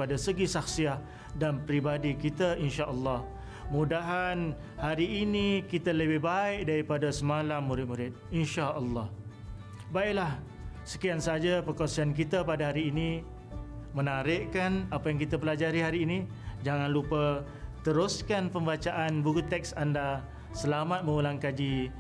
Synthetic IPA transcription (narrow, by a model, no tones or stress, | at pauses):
adasəɡisaxsiah | danpɾibadikit̪aʔinʃaʔəlːɑh | mũdaɦan | haɾiːnikit̪aləbɪhbaɪʔ̚daɾipadasəmalamːuɾɪt̪̚muɾɪt̪̚inʃaʔəlːɑh | baɪʔlah | sə̥kiansaad͡ʒapəkasiank̬it̪apadaɦaɾiːni | mənaɾɪʔkanapajaŋkit̪apəlad͡ʒaɾiɦaɾiːni | d͡ʒaŋanlupa | t̪əɾʊskanpəmbat͡ʃaʔanbuɡut̪ːɛk̚sanda | səlamat̪̚mə̃ulaŋkad͡ʒi